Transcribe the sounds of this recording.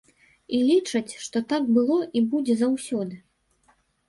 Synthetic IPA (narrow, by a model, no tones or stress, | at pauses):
ilʲit͡ʂɐt͡sʲʂt̪ɔt̪aɡ̚bɨlˠɔʔibud͡zʲɛzawsʲɔd̪ɨ